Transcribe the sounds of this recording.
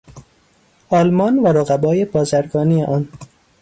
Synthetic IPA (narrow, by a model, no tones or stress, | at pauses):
ɒːlmɒːnvæɾoɣæbɒːje̞bɒːzæɾɡɒːniːjeʔɒːn